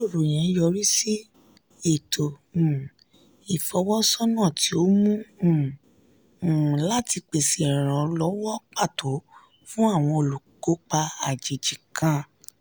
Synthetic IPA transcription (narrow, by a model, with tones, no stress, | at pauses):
o˦˨ɾo˨j̃ɛ̃˨˦jɔ˧ɾi˦si˦ | e˦˨tʰo˨ | i˨fɔ˨˧˦wɔ˦sɔ˦nã˦˨ti˨˦o˦mũ˦˨ | la˦ti˧k͡pe˨si˨ɾ̃ã˨lɔ˨˦wɔ˦k͡pa˦˨to˨˦ | fũ˦a˦˨w̃ɔ̃˧o˨lu˨ko˨˦k͡pa˧a˨d͡ʒi˨d͡ʒi˨kʰã˨˦